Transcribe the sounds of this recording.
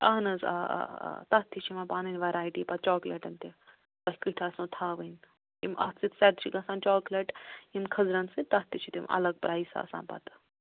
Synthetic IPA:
ɐɦnɐza̰t̪ɐt̪ʰːit͡ʃʰimɐpaːninʋɐɾaːjʈiːpɐt̪̚t͡ʃoːklɐʈɐnt̪e | kɐhʲkiʈʰɐːsũːt̪ʰaːʋən | imʔɐ̰t̪t͡sit̪sɐɾt͡ʃʰiɡɐsãːnt͡ʃoːkleʈimkʰɐzɾɐnsɨt̪ɐt̪ːit͡ʃʰit̪imɐ̰lɐɡ̚pɾaːisa̰ːsã̰ːnpɐ̰t̪

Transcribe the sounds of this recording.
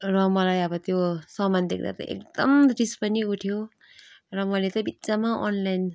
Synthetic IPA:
rʌmʌlajʌbʌt̪josʌmand̪ek̚ʰd̪a̰t̪ʌ̰ʔḛk̚d̪ʌmrispʌniuʈʰjo | rʌmʌlet̪ʌbit̪ːt͡samaʔɔ̰nlajn

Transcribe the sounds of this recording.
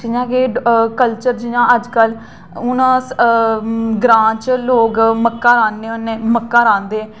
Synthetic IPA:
d͡ʒɪjãːkekəlt͡ʃəɾd͡ʒɪjãːəd͡ʒkəl | ʊnas | ɡɾãːt͡ʃloːɡməkːãːɾãːnd̪eːoneːməkːãːɾãːnd̪eː

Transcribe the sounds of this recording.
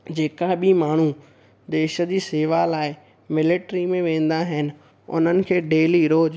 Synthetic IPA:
d͡ʑeːkaɓɪmaːɳ̤u | d̪eːʃə̆d͡ʑiːseːʋalaːɪ | mɪlɪʈɾimẽʋẽːn̆d̪aɦɪnɪ̆ | ʊ̰n̤ənɪ̆kʰeːɖeːliɾoːd͡ʑ

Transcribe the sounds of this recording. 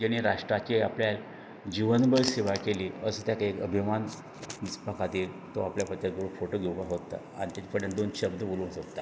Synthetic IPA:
d͡ʑañiɾaʂʈɾat͡ɕiapljal | d͡ʑiʋənbəɭseʋajkeliːəsət̪jakekə̰bʱiman | d̪ispakat̪iːl | t̪oapljapət̪ːat̪̚ɡəɾufoʈoɡʱewkaɦot̪ːa̰ | a̰ñit̪at͡ɕ̪ifʰəɽẽnd̪onɕəbd̪əbolũnsott̪ːa

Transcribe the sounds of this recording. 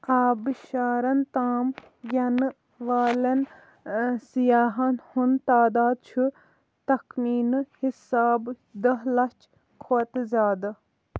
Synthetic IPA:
aːbʃaːɾɐnt̪aːm | ɡʲɐn | ʋaːlɐn | sijaːɦɐnhunt̪aːd̪aːd̪̚t͡ʃʰu | t̪ɐkmiːnhisaːb | d̪ɐɦlɐt͡ʃ | kʰoːt̪zaːd̪ɐ

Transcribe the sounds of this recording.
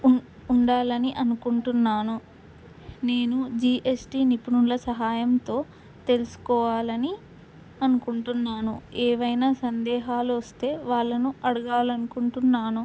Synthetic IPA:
uɳɖaːlɐniʔɐnukuɳʈunːaːnu | neːnud͡ʒiːʔesʈiːnipunulɐsɐɦaːjɐmt̪o̞ː | t̪e̞lusu̥kɔːʋaːlɐni | ɐnukuɳʈunːaːnṵeːʋɐjnaːsɐnd̪ɛːɦaːluʋɐst̪e̞ːʋaːɭːɐnuɐɽuɡaːlɐnukuɳʈunːaːnu

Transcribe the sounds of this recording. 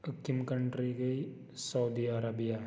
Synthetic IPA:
əkːimkəɳʈɾiɡɐi | sɐwd̪iaɾabija

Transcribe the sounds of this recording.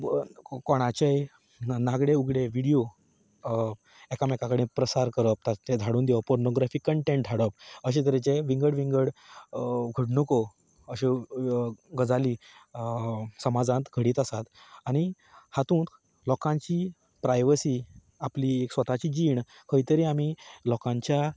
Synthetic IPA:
kɔɽ̃at͡ɕej | naɡɽeuɡɽeʋiɽijo | ɛkamɛkakəɽĩpɾəsaɾkəɾəp̚t̪ated̪ʱaɽuːnd̪ɛʋəpoɾnoɡɾafikːəɳʈẽɳʈd̪ʱaɽəp̚əɕẽt̪əɾet͡ɕeʋiŋɡəɽʋiŋɡəɽ | ɡʱəɽnəko | əɕe | ɡəd͡zali | səmad͡zãt̪ɡʱəɽiːt̪asat̪aɽ̃i | hat̪ũːt | lɔkãɲt͡ɕiː | pɾajʋəsiː | aplieksʋət̪at͡ɕiːd͡ʑiːɳ | kʰəjt̪əɾĩamilɔkãɲt͡ɕja

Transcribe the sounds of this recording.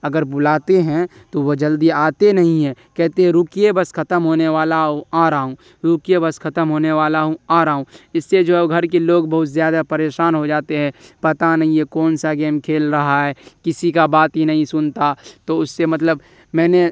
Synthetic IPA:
ɐɡəɾbʊlaːt̪eɦɛ̃ | t̪oʋod͡ʒɐld̪iaːt̪enɐɦĩɦɛ̃kɛɦt̪ẽɦɛ̃ɾʊkijebɐskʰɐt̪əmɦoːneʋaːlaɦũaːɾaːɦũ | ɾʊkijebɐskʰɐt̪əmɦoːneʋaːlaɦũaːɾaːɦũɪsːed͡ʒoɡʱɐɾkeloːɡbɐɦʊt̪zjaːd̪apɐɾeːʃaːnɦod͡ʒaːt̪eɦɛ̃pɐt̪anɐɦĩẽkɔːnsaɡeːmkʰeːlɾɐɦaɦɛːkɪsikabaːt̪ɦinɐɦĩsʊnt̪at̪oʊsːemɐt̪ləb | mɛ̃ːne

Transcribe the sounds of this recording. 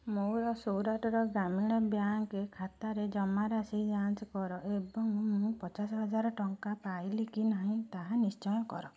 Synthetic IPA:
moɾɔsowɾaʈɔɾɔɡamiɭ̃ɔbjaŋkekʰat̪aɾed͡ʒɔmaɾasid͡ʒanskɔɾɔʔebɔŋmũpɔt͡ʃasɔɦɔd͡ʒaɾɔʈɔŋkapajlikinaɦĩt̪aɦanist͡ʃɔjɔkɔ̰ɾɔ

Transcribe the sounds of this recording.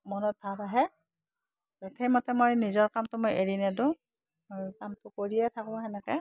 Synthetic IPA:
mɔnɔt̚bʱapaɦɛ | zotʰejmɔtɛmojnizɔɹkamtʊmojʔeɹinɛdʊ̃ | mojkamtʊkoɹijɛtʰakɔɔɦɛnɛkɛ

